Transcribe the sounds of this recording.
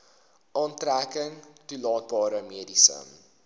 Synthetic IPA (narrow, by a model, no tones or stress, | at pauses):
ʔɑːntrækəŋtulɑːt̚bɑːɾəmiədisə̰m